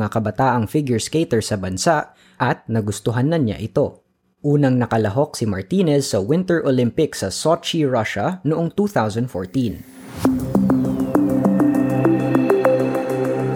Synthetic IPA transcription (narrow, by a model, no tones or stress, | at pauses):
akɐbɐt̪aːʔɐŋfɪɡjʊɹskejt̪ɛɹsɐbɐnsaʔ | ʔɐt̪̚nɐɡʊst̪ʊɦɐnːɐnɲa̰ʔɪt̪o̞ | ʔuːnɐŋnɐkɐlɐɦo̞k̚sɪmɐɹt̪inɛsːɐwɪnt̪ɛɹʔolɪmpɪksɐsot͡ʃiɹaʃɐnoʊʔoŋt̪uːθawsɐnd̪foɹt̪ĩn